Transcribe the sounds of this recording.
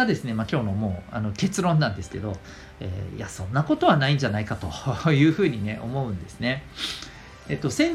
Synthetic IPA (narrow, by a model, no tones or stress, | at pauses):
ad̪e̞sɨne̞makʲo̞ːno̞mo̞ːano̞ke̞t͡sɨɾõ̞nːãnd̪e̞sɨ̥ke̞̰d̪o̞ | ḛːj̰a̰sõ̞nːako̞t̪o̞β̞anaĩɲ̟d͡ʑanaikat̪o̞jɯ̟ːɸɯ̟ːɲ̟ine̞ʔo̞mo̞ɯ̟̃nd̪e̞sɨne̞ | et̪ːo̞sẽ̞